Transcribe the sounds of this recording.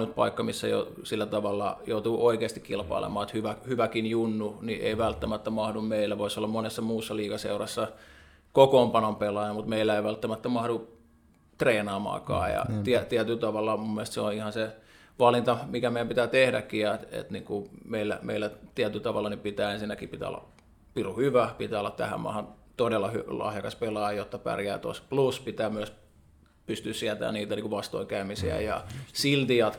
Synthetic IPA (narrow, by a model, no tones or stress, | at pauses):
nyt̪̚pɑ̰ikːɑmisːæ̰jo̰silːæt̪ɑʋɑlːɑ̰jout̪uːʔoikeːst̪ikilpɑ̰ilḛmɑːet̪hyʋæhyʋækinjunːuniʔḛiʋælt̪ːæmæt̪ːæmɑhdummeilːæʋoisolːɑmmonesːɑmuːsːɑliːkɑsḛurɑsːɑ | kokompɑnompelɑjɑmut̪meilːæeiʋælt̪ːæmæt̪ːæmɑhdu | t̪reːnɑːmɑ̰ːkɑ̰ːjɑ̰t̪iæt̪iæt̪ylt̪ɑʋɑlːɑmumːelest̪seonihɑnse | ʋɑlint̪ɑmikæmeˑijæmpit̪æːt̪ehdæ̰kːijɑt̪ḛt̪niːŋkumeilːæ̰mḛilːæt̪iæt̪ylt̪ɑʋɑlːɑnipit̪æːensinːækipit̪æ̰o̰lːɑ̰ | piruhyʋæpit̪æːolːˑɑt̪t̪æ̰hæ̰mɑ̰ːhɑn | t̪odelːɑhylɑ̰hjɑkɑspelɑˑɑjjot̪ːɑpæ̰rjæ̰ːt̪o̰spluspit̪æːmyæs | pyst̪yssiæt̪æ̰ːniːt̪æniːkuʋɑst̪o̰iŋkæymisḭæ̰jɑ̰silt̪iɑt̪